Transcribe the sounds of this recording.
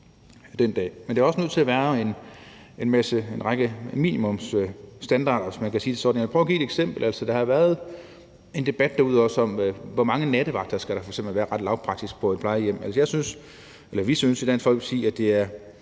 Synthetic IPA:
d̥end̥ɛ̰ːmend̥eæɐɒ̽sənøð̞̰ˠt͡sʰe̝læʋæːɐe̝n | e̝nmæsəe̝nʁɑ̈ɡ̥əmḭːnimɔ̽msːd̥ænd̥ɑ̰̈ːdɐʋe̝smænkʰæsiːd̥e̝sɒ̰ːd̥n̩jʋelpʰœəʊːɡḭːed̥eɡ̥sem̰b̥l̩æl̰sɒd̥ɑ̈hɑ̈ʋæɐð̞ˠ | e̝nd̥e̝b̥æd̥̚d̥æɐuð̰ˠɒ̽səɒ̽mʋɒmɑ̈ŋənæɾ̥əʋɑ̈ɡ̥̚d̥ɐsɡ̥æɾ̥ɑfɒ̽ɐɡ̥semb̥l̩ʋæːɐʁɑ̈d̥lɑ̈ʊpʰʁɑ̈ɡ̥̚d̥isɡ̥̚pʰɒ̽e̝̥pʰlɑ̈ɪəjem̰ælsəjɑ̈ɪsyns | elɐʋisynsjid̥ænfɒ̽l̰ɡ̥ʋsiːædd̥e̝æɐ

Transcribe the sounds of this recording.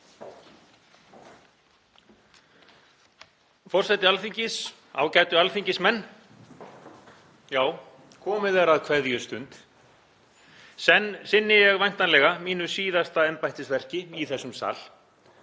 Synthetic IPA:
fɔr̥sɛt̪ɪalfiɲcɪs | a̰ːwcaːjt̪ʏalfiɲcɪsmɛnː | jaːw | kʰɔːmɪðɛɾaðkʰvɛðjʏst̪ʏnt̪ | sɛnːsɪnːɪjɛɣvajn̥t̪anlɛɣamiːnʏsiːðast̪aɛmpajht̪ɪsvɛr̥cɪiθɛsːʏmsa̰ːl

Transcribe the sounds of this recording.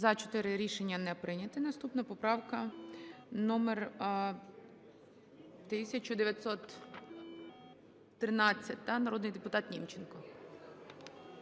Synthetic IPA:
zɐt͡ʃɔ̥t̪ɪɾɪɾʲiʃenʲːɐnɛpɾɪnʲɐt̪ɪnɐst̪upnɐpɔpɾɑwkɐ | nɔmer | t̪ɪsʲɐt͡ʃʊd̪eʋʲjɐt̪ʲsɔt̪ | ɾɪnɑt͡sʲːɐt̚ʲd̪ɑnɐɾɔd̪nɪjd̪epʊt̪ɑt̪nʲimt͡ʃenkɔ

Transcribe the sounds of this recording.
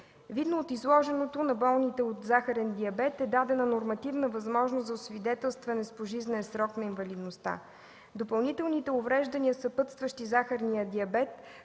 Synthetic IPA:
vid̪noːt̪izlˠɔʒɛnot̪onɐbɔlˠnit̪ɛot̪zaxɐɾɛnd̪iɐbɛt̪ɛd̪ad̪ɛnənoɾmɐt̪ivnəvɐzmɔʒnost̪zəsvid̪ɛt̪ɛlˠst̪vɐnɛspoʒiznɛnsɾɔknɐinvɐlid̪nost̪a̰ | d̪opɐlˠnit̪ɛlˠnit̪ɛovɾɛʒd̪ɐniəsəpɤt̪st̪vəʃt̪izaxɐɾnijəd̪iɐbɛt̪

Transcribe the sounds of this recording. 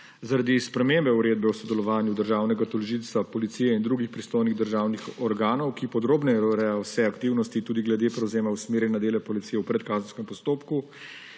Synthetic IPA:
zaɾad̪ispɾɛmembɛuɾeːd̪̚bɛwsɔd̪ɛlɔʋaːnjud̪əɾʒaːwnɛɡat̪ɔlʒilsapɔlit̪sijɛind̪ɾuɡixpɾist̪oːjniɣd̪əɾʒawnixɔɾɡaːnɔwkipɔd̪ɾoːbnɛjɛɾɛawsɛakt̪iwnɔst̪it̪uːd̪iɡlɛd̪epɾɛwzeːmawsmeːɾjɛnad̪eːlɛpɔlit̪siːjɛwpɾɛt̪kaːzənskɛmpɔst̪oːpku

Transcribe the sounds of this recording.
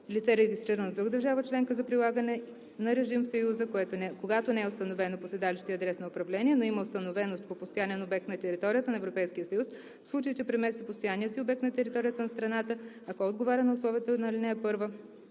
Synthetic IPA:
lit̪sɛɾɛɡʲist̪ɾiɾənəd̪ɾuɡəd̪əɾʒavət͡ʃlɛŋkəzɐpɾilˠaɡənɛ | nɐɾɛʒimfsɐjuzəkoɛt̪okoɡat̪onɛɛʊst̪ɐnovɛnoposɛd̪alʲiʃt̪iəɐd̪ɾɛsnɐopɾɐvlɛniɛnoiməʊst̪ɐnovɛnost̪popost̪ojaniɛnobɛk̚t̪nɐt̪ɛɾit̪ɔɾʲijət̪ənɐɛvɾopɛjsk̟ijəsəjus | fslˠut͡ʃəit͡ʃɛpɾɛmɛst̪ipost̪ojaniəsiobɛknət̪ɛɾit̪ɔɾijət̪ənɐst̪ɾɐnat̪ə | ɐkɔod̪ɡovaɾʲənɐʊslˠɔviət̪ənɐlinɛɛpɤɾvə

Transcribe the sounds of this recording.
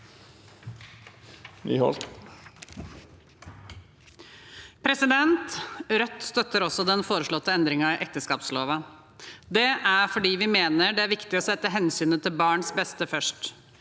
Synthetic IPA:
ny̰ːhɔ̰lt̪ | pʰɾɛsɪd̪ɛnt̪ɾœt̪ːst̪œt̪ːəɾɔsːɔd̪ɛnfoːɾəʂɭɔt̪ːəɛnd̪ɾɪŋɑʔɛk̚t̪əskɑːpsloːʋə | d̪ɛʔæɾfɔɖiːʋɪmeːnəɖɛæɾʋɪkt̪ɪɔsɛt̪ːəɦɛnsyːnət̪ʰɪlbɑːɳsbɛst̪əfœʂʈ

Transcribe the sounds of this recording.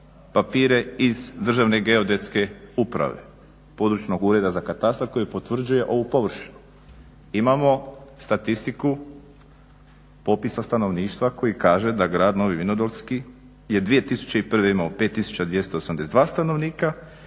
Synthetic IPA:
papiːɾe̞izd̪r̩ʒaʋne̞ɡe̞o̞d̪et̪ske̞upɾa̰ʋe̞̰ | po̞ːd̪ɾut͡ʃnoɡuːɾe̞d̪azakat̪ast̪ɾafko̞jipo̞t̪ʋr̩d͡ʒuje̞ʔo̞ʋupo̞ʋr̩ʃi̥nu̥ | imamo̞st̪at̪ist̪iku | po̞pisast̪ano̞ʋniːʃt̪ʋako̞jikaːʒe̞d̪aɡɾaːd̪no̞ʋiʋinod̪olski | je̞d̪ʋije̞t̪isu̥t͡ɕe̞ipr̩ʋe̞imaope̞ːt̪ːisu̥t͡ɕad̪ʋje̞st̪oosamd̪esd̪ʋaːst̪ano̞ʋniːka

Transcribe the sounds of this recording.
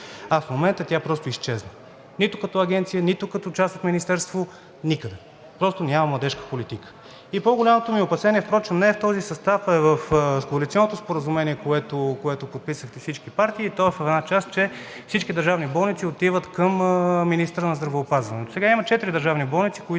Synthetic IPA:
ɐfmomɛnt̪ət̪ʲjapɾɔst̪ʊist͡ʃɛznə | nit̪ʊkɐt̪ɔɐɡʲɛnt̪sijənit̪ʊkɐt̪ɔt͡ʃast̪ot̪minist̪ɛɾst̪vo | nikəd̪ɛ | pɾɔst̪onʲjamɐmlˠɐd̪ɛʃkə̥polit̪ikə̥ | ipoɡolʲamot̪omiopɐsɛniɛfpɾɔt͡ʃnonɛft̪ɔzisɐst̪afɛvəfkoɐlit̪siɔnːot̪ospoɾəzumɛniɛkoɛt̪okoɛt̪opot̪̚pisəxt̪ɛfsit͡ʃkipaɾt̪iːt̪oɛfɛɛd̪nat͡ʃast̪t͡ʃɛ | fsit͡ʃkid̪ɐɾʒavnibɔlˠnit̪siot̪ivət̪kəmminist̪əɾənɐzd̪ɾɐvɛːpazvɐnɛt̪ʊ̥sɛɡaimət͡ʃɛt̪iɾid̪əɾʒavnibɔlˠnit̪si̥koi

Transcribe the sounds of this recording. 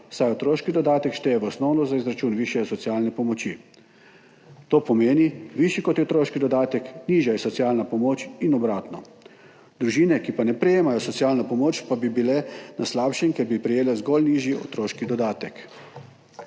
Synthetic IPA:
wsajɔt̪ɾoːʃkid̪ɔd̪aːt̪ɛkʃt̪ɛjɛʋɔsnɔwnɔzaizɾat͡ʃuːnʋiʃjɛsɔt̪sijaːlnɛpɔmɔt͡ʃi | t̪oːpɔmeːniʋiːʃjikɔt̪jɛot̪ɾoːʃkid̪ɔd̪aːt̪ɛkniːʒjajɛsɔtsijaːlnapɔmoːt͡ʃinɔbɾaːt̪nɔ | d̪ɾuʒiːnɛkipanɛpɾɛjeːmajɔsɔt̪siaːlnapɔmoːt͡ʃpabibilɛnaslaːpʃiŋkɛɾbipɾɛjeːlɛzɡolniːʒjiɔ̰t̪ɾoːʃkid̪ɔd̪aːt̪ɛk

